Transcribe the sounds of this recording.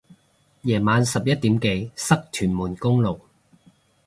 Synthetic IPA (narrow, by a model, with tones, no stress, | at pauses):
jɛː˨˩maː˨˧nsɐ˨p̚jɐ˥t̚t̪i˨˥mke˨˧jsɐ˥k̚t̪ʰyː˨˩nmuː˨˩nkʊ˥ŋlo˨˩w